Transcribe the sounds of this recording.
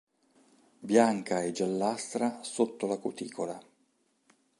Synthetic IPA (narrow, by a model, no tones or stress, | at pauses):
bjaŋkaed͡ʒalːast̪ɾasot̪ːolakut̪ḭːkola